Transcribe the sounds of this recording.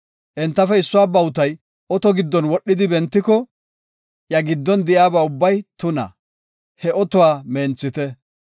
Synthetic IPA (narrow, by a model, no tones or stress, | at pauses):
ʔɛnt̪ːɐfɛɪsːʊwaːbɐwʊt̪ɐj | ʔɔt̪ɔɡɪd̪ːɔnwɔɗːɪd̪ɪbɛnt̪ːɪkɔ | jɐɡɪd̪ːɔnd̪ɪjaːbaːʊbːɐjt̪ʊnɐ̰ | hɛɔt̪ɔwaːmeːnt͡sːɪt̪ɛ